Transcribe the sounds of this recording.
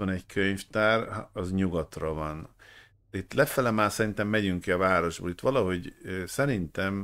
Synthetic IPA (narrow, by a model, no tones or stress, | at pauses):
ɒnɛɟkʰøɲft̪aːrɒzɲuɡɒt̪rɒvɒn | it̪lɛfɛlɛmaːsɛɾint̪ɛmːɛɟyŋkiɒvaːɾo̞ʒbo̰ːlit̪ʋɒlɒɦo̞ɟsɛɾint̪ɛm